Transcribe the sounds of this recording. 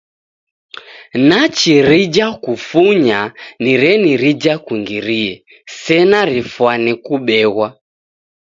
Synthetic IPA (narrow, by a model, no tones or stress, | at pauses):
nat͡ʃiɾid͡ʒakufuɲaniɾɛniɾid͡ʒakuŋɡiɾiɛ | sɛnaɾifwanikuɓɛɣwa